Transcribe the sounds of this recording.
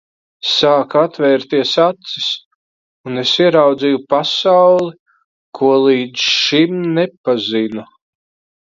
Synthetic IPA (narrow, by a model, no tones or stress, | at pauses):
saːkat̪vɛːɾt̪iɛsat̪sis | unesiɛɾawd̪zijupasawlˠi | kʰuɔlˠiːd̪zʃimnepazinu